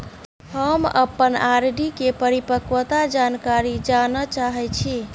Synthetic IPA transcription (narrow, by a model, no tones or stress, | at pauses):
həmə̰pːənaɾɖikepəɾipəkʋət̪ad͡ʒankaɾid͡ʒanət͡ʃaɦɛt͡ʃʰi